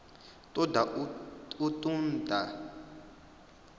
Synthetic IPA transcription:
tɔdaʔuutundʱa

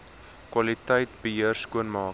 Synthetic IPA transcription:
kwɐlitəjtbəɦiərskuənmɑː

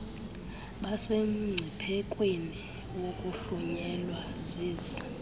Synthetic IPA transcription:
ɓasem̩ŋ͡ǀʱipʰɛkʼweni | wokʼuɬuɲɛlwaziːzi

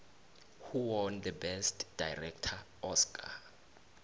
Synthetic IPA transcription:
huwɔnd̪əbɛstd̥ajrɛk̚tʰa | ɔskʰʼa̰

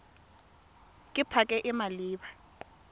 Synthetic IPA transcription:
kʼɪpʰakʼɛʔɪmaliːɓa

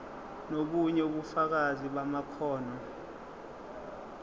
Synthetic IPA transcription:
nok̬uɲɛuɓufak̬aziɓamakʰɔːnɔ

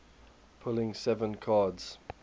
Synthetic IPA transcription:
pʰʊlɪ̃ŋsɛvə̃nkʰɑːdz̥

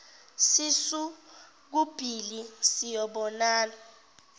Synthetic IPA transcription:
sisu | k̬ub̥ʱilisijɔɓɔnaːnɔ

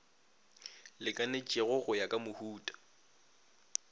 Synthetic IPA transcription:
lɪkʼanet͡ʃʼɪɣʊɣʊjakʼamʊhuːtʼḁ

